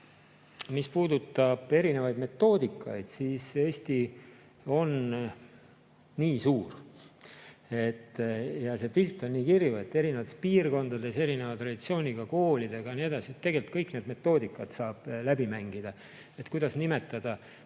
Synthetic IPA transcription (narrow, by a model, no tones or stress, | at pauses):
mispuːd̪ut̪ːˑɑb̥e̞ɾine̞vɑjd̪me̞t̪ːo̞ːd̪ikːˑɑ̰jd̪̥siːse̞ːst̪i | o̞n | niːsuːr | e̞t̪ːjɑse̞filt̪ːˑo̞nnːiːkirjue̞t̪ːe̞ɾinevɑt̪ːˑespiːrɡo̞nd̪̥ɑd̪e̞se̞ɾine̞vɑt̪ɾrɑd̪̥it̪sio̞ːnʲiɡ̥ɑko̞ːlid̪̥e̞ɡ̥ɑnie̞d̪̥ɑsie̞t̪ːe̞ɡ̥e̞lt̪̚kɤjkne̞ːd̪me̞t̪ːo̞ːd̪ikːˑɑt̪sɑːb̥læbimæŋɡ̥id̪̥ɑ | e̞t̪ːkujd̪̥ɑsnime̞t̪ːˑɑd̪̥ɑ